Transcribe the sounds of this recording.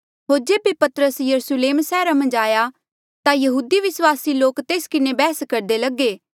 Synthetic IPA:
ɦoːɾd͡ʒeːbepɐt̪ɾəsjɐɾusʊleːmsɛːɾamɐ̃nd͡ʒaːja | t̪ajɐɦuːd̪iʋɪswaːsiloːkt̪eːskɪnebɛːskɐɾd̪elɐɡːeː

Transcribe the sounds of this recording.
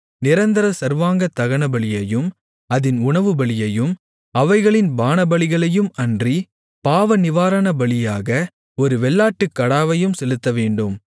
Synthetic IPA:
nɪɾɐnd̪ɐɾɐsɐɾʋaːŋɡɐt̪ːɐɣɐɳɐbɐɭɪjɐjɯm | ɐðɪnʊɳɐʋɯbɐɭɪjɐjɯm | ɐʋɐɪɣɐɭɪnbaːnɐbɐɭɪɣɐɭɐjɯmɐndri | paːʋɐnɪʋaːɾɐɳɐbɐɭɪjaːɣɐ | ɔɾɯʋɛɭːaːʈːɯkːɐɽaːʋɐjɯmsɛlɯt̪ːɐʋeːɳɖɯm

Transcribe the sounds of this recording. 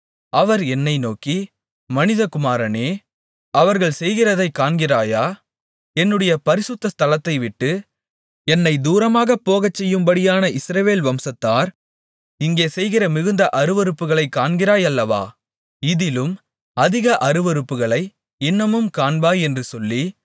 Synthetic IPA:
ʔɐʋɐɾɛnːɐɪnoːkːi | mɐnɪðɐkʊmaːɾɐneː | ɐʋɐɾɣɐɭsɛjɣɪrɐðɐɪkːaːɳɡɪraːjaː | ɛnːɯɽɐjɐpɐɾɪsʊt̪ːɐst̪ɐlɐt̪ːɐɪʋɪʈːɯ | ɛnːɐɪd̪uːɾɐmaːɣɐpːoːɣɐt͡ʃːɛjːɯmbɐɽɪjaːnɐʔɪsɾɐʋeːlʋɐmsɐt̪ːaːɾ | ɪŋɡeːsɛjɣɪrɐmɪɣɯnd̪ɐʔɐɾɯʋɐɾɯpːɯɣɐɭɐɪkːaːɳɡɪɾaːjɐlːɐʋa̰ː | ɪðɪlɯm | ɐðɪɣɐʔɐɾɯʋɐɾɯpːɯɣɐɭɐɪ | ɪnːɐmɯmkaːnbaːjɛndrɯsɔlːi

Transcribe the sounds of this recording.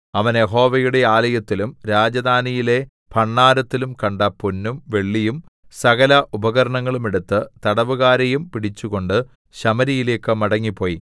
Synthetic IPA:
ɐʋɐnje̞ɦo̞ːʋɐjuɽe̞aːlɐjɐt̪ːilumɾaːd͡ʑɐd̪aːnijile̞ | pʰɐɳːaːɾɐt̪ːilumkɐɳɖɐpunːumʋe̞ɭːijumsɐɣɐlɐʔubɐɣɐɾɐɳɐŋːɐɭume̞ɽut̪ːɨt̪ɐɽɐʋuɣaːɾɐjumpiɽit͡ɕːuɣo̞ɳɖɨ | ɕɐmɐɾijile̞ːkːɨmɐɽɐŋːipːo̞ːji

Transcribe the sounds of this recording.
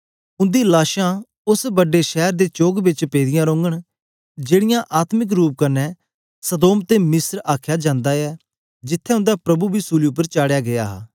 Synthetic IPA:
ʊ̃nd̪iːlaːʃãː | ʊsbəɖːeːʃɛːɾd̪eːt͡ʃoːɡbɪt͡ʃpeːd̪ɪjãːɾõːŋɡəɽ | d͡ʒeːɽɪjãːʔaːt̪mɪk̬ɾuːp̚kənɛː | səd̪oːmt̪eːmɪsɾaːkʰjaːd͡ʒãːnd̪aːɛː | d͡ʒɪt̪ʰːɛːʊ̃nd̪aːpɾəbuːbʱiːsuːliʊpːəɾt͡ʃaːɽejaːɡɪja̰ːɦa̰ː

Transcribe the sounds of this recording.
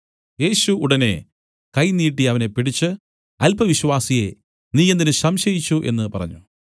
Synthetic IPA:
je̞ːɕuːɽɐne̞ | kɐjniːʈːiɐʋɐne̞piɽit͡ɕːɨ | ɐlpɐʋiɕwaːsije̞ | niːjend̪inɨɕɐmɕɐjit͡ɕːuʔe̞̰nːɨpɐrɐ̰ɲːu

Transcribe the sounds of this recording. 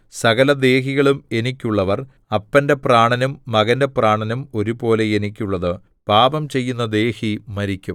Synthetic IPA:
sɐɣɐlɐd̪e̞ːɦiɣɐɭume̞nikʲːuɭːɐʋɐr | ɐpːɐnde̞praːɳɐnumːɐɣɐnde̞praːɳɐnumo̞ɾubo̞ːle̞jenikʲːuɭːɐðɨ | paːbɐmt͡ɕe̞jːunːɐd̪e̞ːhimɐɾikʲːum

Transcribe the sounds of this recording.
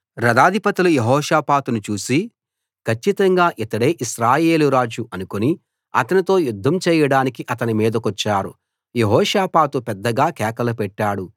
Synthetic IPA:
ɾɐd̪aːd̪ʱipɐt̪ilujeɦɔːʃaːpaːt̪unut͡ʃuːsi | kʰɐt͡ʃːit̪ɐŋɡaːʔɛt̪ːɐɽeːʔiʃɾaːje̞ːluɾaːd͡ʒuʔɐnukoni | ɐ̰t̪ɐnit̪o̞ːjud̪ʱːɐmt͡ʃɛːjɐɽaːnikiʔɐt̪ɐnimiːd̪ɐkɔt͡ʃːaːɾu | jeɦɔːʃaːpaːt̪upɛd̪ːɐɡaːkɛːkɐlupɛʈːaːɽu

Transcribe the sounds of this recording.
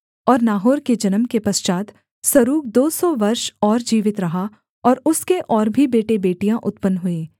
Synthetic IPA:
ɔːɾnaːɦoːɾked͡ʒɐnəmkepɐst͡ʃaːt̪ | sɐɾuːk̚d̪oːsɔʋɐɾʃɔːɾd͡ʒiːʋɪt̪ɾɐɦa | ɔːɾʊskeʔɔːɾbʱibeːʈebeːʈijãʔʊt̪pənɦʊeː

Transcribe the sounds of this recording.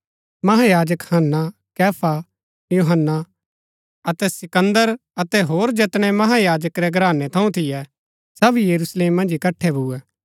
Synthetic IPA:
mɐɦajaːd͡ʒəkhɐnːa | kɛːpʰa | juɦənːa | ɐt̪ɛsɪkə̃nd̪əɾ | ɐt̪ɛɦoːɾd͡ʒet̪ɽ̃ɛmɐɦajaːd͡ʒəkɾɛɡɾaːnɛt̪ʰɐ̃ũt̪ʰɪjɛ | sɐbijəɾusleːmːɐ̃nd͡ʒɪkɐʈʰːɛbʱuɛː

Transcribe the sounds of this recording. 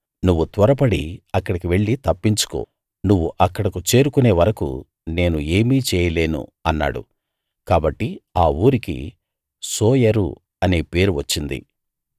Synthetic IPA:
nuʋːut̪ʋɐɾɐp̬ɐɽḭɐkːɐɽikiʋe̞ɭːit̪ɐpːiɲt͡ʃu̥ko̰ː | nuʋːuʔɐkːɐɽɐkut͡ʃe̞ːɾukune̞ːʋɐɾɐkṵ | ne̞ːnue̞ːmiːt͡ʃɛːjɐle̞ːnṵɐnːa̰ːɽṵ | kaːbɐʈːiaːuːɾikḭ | soːjɐɾṵ | ɐne̞ːpe̞ːɾuʋɐt͡ʃːind̪ḭ

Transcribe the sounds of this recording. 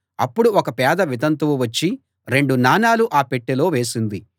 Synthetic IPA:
ɐ̰pːuɽuɔkɐpɛːd̪ɐʋid̪ɐnt̪uʋɐt͡ʃːi | ɾe̞ɳɖunaːnaːluʔaːpeʈːilo̞ːʋe̞ːsind̪i

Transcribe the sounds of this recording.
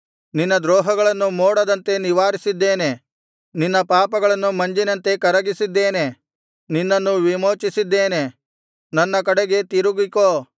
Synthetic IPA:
ninːɐd̪ɾoːɦɐɡɐɭɐnːumoːɽɐd̪ɐnt̪e̞niʋaːɾisid̪ːeːne̞ | ninːɐpaːpɐɡɐɭɐnːumɐɲd͡ʒinɐnt̪e̞kɐɾɐɡisid̪ːeːne | ninːɐnːuʋimoːt͡ʃisid̪ːeːne̞ | nɐnːɐkɐɽeɡe̞t̪iɾuɡikoː

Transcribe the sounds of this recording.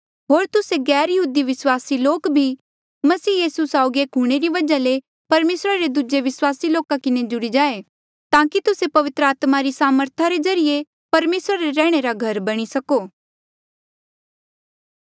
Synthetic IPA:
ɦoːɾt̪ʊseɡɛːɾjɐɦuːd̪iʋɪswaːsiloːkbʱi | mɐsiːjiːsusaːʊɡeːkɦuɽ̃eɾiʋɐd͡ʒale | pɐɾmeːsɾaɾed̪ud͡ʒeʋɪswaːsiloːkakɪned͡ʒʊɽid͡ʒaːe | t̪ãːkit̪ʊsepɐʋɪt̪ɾəaːt̪maɾisaːməɾt̪ʰaɾezɐɾije | pɐɾmeːsɾaɾeɾɛ̃ːɽ̃eɾaɡʱɐɾbɐɽ̃isɐkoː

